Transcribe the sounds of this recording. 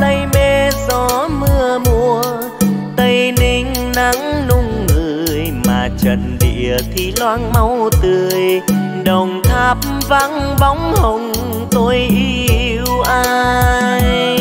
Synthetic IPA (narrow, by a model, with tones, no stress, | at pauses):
t̪ə˧jme˧zɔ˨˦mɨ˧əmu˧ə | t̪ə˧jni˧ŋ̟ | na˧˦ŋnʊ˧ŋ͡mŋɨ˨˩˨jmaː˨˩t͡ɕə˨˩nɗḭ˧˨ət̪ʰi˨˩lwaː˧nma˧wt̪ɨ˨˩əj | ɗə˨˩wŋ͡mt̪ʰaː˧˥p̚mva˧˥n | ɓa˨˦wŋ͡mhə˨˩wŋ͡m | t̪o˧jʔi˧i˧wʔaː˧jj